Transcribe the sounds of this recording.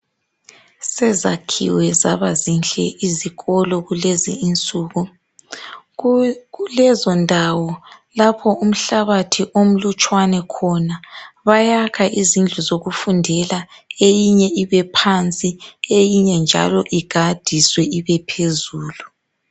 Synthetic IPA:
sɛzakʰḭwɛza̰βazinɬɛʔiziɣɔlɔɣulezḭːnt͡sʼuːɣu | ulɛzɔndʱawɔlapʰɔum̩ɬaβatʰiʔom̩lut͡ʃʼwanɛkʰɔnaβajakʰaʔizind͡ɮʱuzoɣufundʱɛlaejiɲɛiβɛpʰant͡sʼiejiɲɛnd͡ʒʱa̰lɔʔiɡ̥ʱad̥ʱiswɛiβɛpʰezuːlu

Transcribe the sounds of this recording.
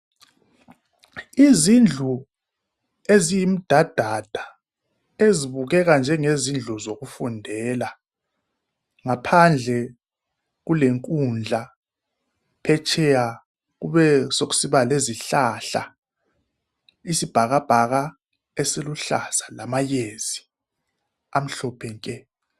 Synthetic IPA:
izind͡ɮʱu | ezijim̩d̥ʱad̥ʱad̥ʱa | eziβuɣɛɣand͡ʒʱɛŋezind͡ɮʱuzoɣufundʱɛla | ŋapʰand͡ɮʱɛ | ɣuleŋkʼund͡ɮʱa | pʰɛt͡ʃʰʼɛja | ɣuβɛsoɣu̥siβaleziɬaɬa̰ | isib̥ʱaɣab̥ʱaɣa | esiluɬa̰sḁlamajeːz̥i | am̩ɬɔpʰɛŋkʼɛ

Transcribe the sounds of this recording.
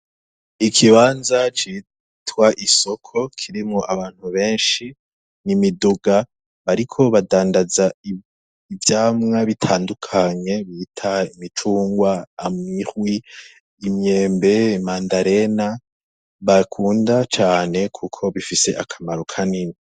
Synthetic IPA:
ikʰiβaːnzat͡ʃi | twaʔiso̞kʰo̞kʰiɾimŋoʔaβaːn̥huβe̞ːnʃi | nimiduɡa | βaɾikʰo̞βadaːndaza | ivjaːmŋaβitʰaːndukʰaɲe̞βitʰaimit͡ʃuːŋɡwaːmŋiχwiː | mɲe̞ːmbe̞imaːndaɾe̞na | βakʰuːndat͡ʃaːne̞kʰukʰo̞βifise̞̰ʔakʰamaɾo̞kʰanini

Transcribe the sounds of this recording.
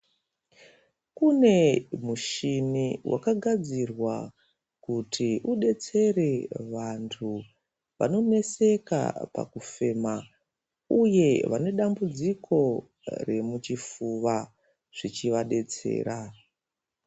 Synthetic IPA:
kune̞muʃiniwʔa̰kaɡʱad͡zirwa | kutʰiʔuɗe̞t͡se̞re̞ʋantʰu | ʋa̰no̞ne̞se̞ka̰pa̰kufe̞ma | uje̞ʋa̰ne̞ɗambud͡zikʰo̞ | re̞mut͡ʃifuʋa | ʐ̥it͡ʃiʋaɗe̞t͡se̞̰ːɾa

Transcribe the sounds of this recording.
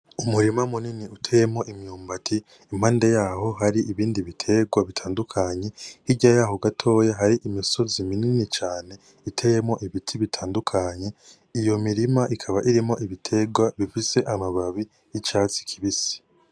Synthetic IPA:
umuɾimamuniniutʰejemŋo̞ʔimɲuːmbatʰi | im̥haːndejaːho̞ɦaɾiʔiβiːndiβitʰe̞ɡwaβitʰaːndukʰaɲe̞hiɟajaɦo̞ɡatʰo̞ːjaɦaɾiʔimiso̞zimininit͡ʃaːne̞ | itʰejemŋo̞ʔiβitʰiβitʰaːndukʰaɲe̞ | ijo̞miɾimaʔikʰaβaʔiɾimo̞ʔiβitʰe̞ɡwaβifise̞ʔamaβaβi | jit͡ʃaːt͡si̥kʰi̥βisi̥

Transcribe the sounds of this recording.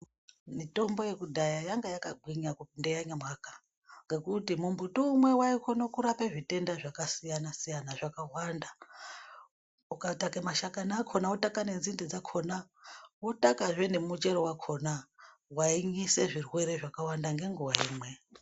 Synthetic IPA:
mito̞mbo̞je̞kudʱajajaŋɡajakaɡ͡ǃʱiɲakundejaɲamwakḁ | ŋɡe̞kutimumbutoumwe̞waikʰo̞nokuɾapeʐite̞ndaʐakasijanasijanaʐakawanda | ukatakemaʃakanaːkʰo̞nautakane̞nzindid͡zakʰonawutakaʐenemut͡ʃe̞ɾowakʰo̞na | waiɲise̞ʐirwe̞ɾe̞ʐakawandaŋɡe̞ŋɡuwaḭːmwe̞

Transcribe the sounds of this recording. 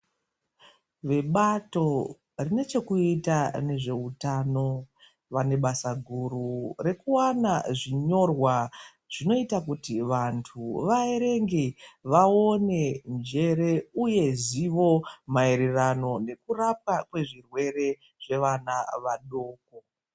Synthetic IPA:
ʋe̞ɓato̞ | rine̞t͡ʃe̞kuitane̞ʐe̞utano̞ | ʋane̞ɓasaɡʱuɾure̞kuwanaʐiɲo̞rwa | ʐ̥ino̞itak̬utiʋantʰuʋaeɾe̞ŋɡeʋaone̞nd͡ʒe̞ɾe̞uje̞ziʋo̞maeɾerano̞ne̞kurap̚kakwe̞ʐirwe̞re̞ | ʐ̥e̞ʋanaʋaɗoːk̚o

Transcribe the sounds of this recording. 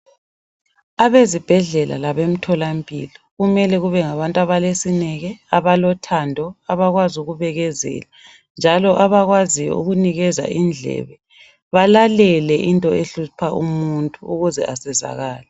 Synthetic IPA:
aβezib̥ʱɛɮɛla̰laβem̩tʰɔlampʼḭlɔɣumɛlɛɣuβɛŋaβantʼaβalesinɛɣɛaβalɔtʰandʱɔaβaɣwazuɣuβɛɣɛzɛ̰ːla | nd͡ʒʱalɔʔaβaɣwazijɔ̰ṵɣuniɣɛza̰ʔind͡ɮʱɛ̰βɛ | βalalɛlɛʔintʼɔeɬupʰaumuntʼuuɣuzɛ̰ʔasɛza̰ɣaːlɛ

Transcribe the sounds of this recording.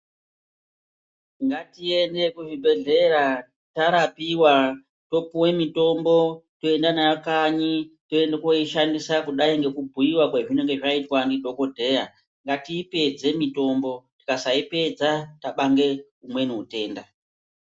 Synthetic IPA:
ŋɡatie̞nde̞kuʐibʱe̞ɮe̞ɾa | taɾapiwa | to̞puwe̞mito̞mbo̞toe̞ndanajakaɲitoendekoiʃandisakuɗaiŋɡe̞kubʱuiwakweʐine̞ŋɡe̞ʐaitwandidʱo̞ko̞dʱe̞ja | ŋɡatiːpe̞d͡ze̞mito̞mbo̞ti̥kasaipe̞d͡zataɓaŋɡe̞ | umwe̞nuute̞ːnda

